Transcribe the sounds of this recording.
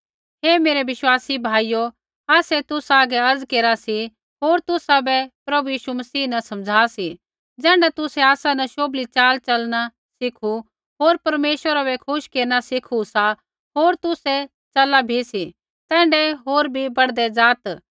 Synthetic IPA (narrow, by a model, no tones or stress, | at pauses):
ɦeːmeːɾɛʋɪʃwaːsibʱaːijo | aːsɛt̪ʊsaːɡɛɐɾd͡zkeːɾasi | ɦoːɾt̪ʊsabɛpɾɐbujiːʃumɐsiːnɐsɐ̃md͡zʱaːsi | d͡zɛ̃ːɳɖat̪ʊsɛaːsanɐʃoːblit͡ʃaːlt͡ʃɐlna | sɪkʰu | ɦoːɾpɐɾmeːʃwəɾabɛkʰʊʃkeːɾñasɪkʰusa | ɦoːɾt̪ʊsɛ | t͡ʃɐlabʱisi | t̪ɛ̃ːɳɖɛɦoːɾbʱibɐɽd̪ɛd͡zaːt̪